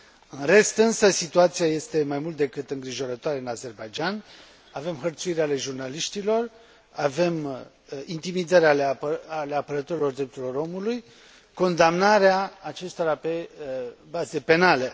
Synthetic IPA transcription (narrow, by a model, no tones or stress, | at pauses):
ɨnre̞st̪ɨnsəsit̪uat̪siaje̞st̪e̞majmult̪̚d̪e̞kɨt̪ɨŋɡɾiʒo̞ɾət̪oaɾe̞ɨnaze̞rbajd͡ʒanʲ | ave̞mxərt̪suiɾeale̞ʒurnaliʃt̪ilo̞r | ave̞m | int̪imid̪aɾealeale̞apəɾət̪oɾilo̞rd̪ɾe̞p̚t̪uɾilo̞ɾo̞muluj | ko̞nd̪amnaɾeaːt͡ʃe̞st̪o̞ɾape̞ | baze̞pe̞nale̞